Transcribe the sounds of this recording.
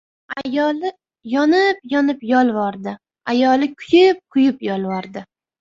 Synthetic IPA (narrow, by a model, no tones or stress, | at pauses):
ajɒlɪ | jɒnɪp̚jɒnɪpjɒlˠvɒɾd̪ɪ | ajɒlɪkʲʰʊjɪp̚qʰʊjɪpjɒlˠvɒɾd̪ɪ